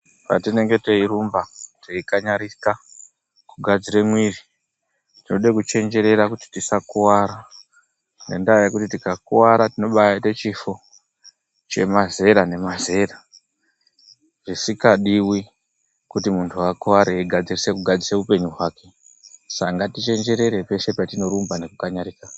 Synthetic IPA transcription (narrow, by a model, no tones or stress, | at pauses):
pa̰tine̞ŋɡe̞teiɾumbateikaɲaɾika | kuɡʱad͡ziɾemwiri | tino̞ɗekut͡ʃe̞nd͡ʒe̞ɾe̞ɾakuti̥tisakuwaɾa | nendajakutitikakuwaɾatino̞ɓajatet͡ʃifo̞ | t͡ʃe̞̰maze̞ɾane̞maze̞ra | ʐ̥isikaɗiwi | kutimuntʰuakuwaɾeiɡʱad͡zirise̞kuɡʱad͡ziseupe̞ɲuɦwaːke̞ | saŋɡatit͡ʃe̞nd͡ʒe̞ɾe̞ɾe̞pe̞ʃe̞patino̞ɾumbane̞kukaɲaɾiːkana